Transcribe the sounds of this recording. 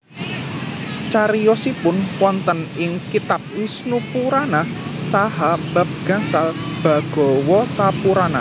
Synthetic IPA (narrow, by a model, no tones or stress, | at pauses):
t͡ʃaɾijɔsipʊnwɔnt̪ənɪŋkit̪ap̚wisnupuɾanasaɦab̥a̤p̚ɡ̥a̤ŋsalb̥a̤ɡ̥ɔ̤wɔt̪apuɾana